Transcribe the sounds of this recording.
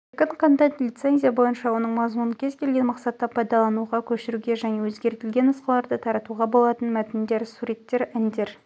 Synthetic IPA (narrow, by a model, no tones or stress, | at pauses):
kʲəɴqʰɑnt̪ɑt̪lʲijt̪se̞nzʲijabo̞jənʃɑwo̞nəɴmɑzmunəkʲʰezkʲʰe̞lɡʲe̞nmɑqsɑt̪ːɑpʰɑjd̪ɑlˠɑnuʁɑkʲʰɵʃɪɾuɡʲe̞ʒæne̞wɵzɡʲe̞ɾt̪ɪlɡʲe̞nəsqəlˠɑɾd̪ət̪ʰɑɾɑt̪uʁɑbo̞lˠɑt̪ənmæt̪ɪnd̪e̞ɾsuɾe̞t̪ːe̞ɾænd̪e̞ɾ